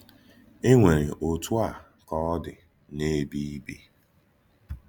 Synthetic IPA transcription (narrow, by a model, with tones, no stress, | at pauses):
e˦ŋʷe˨ɾi˨ʔo˨tʊ˦a˦˨ | kɔ˦ɔ˦dɪ˨ | ne˦bi˦bi˦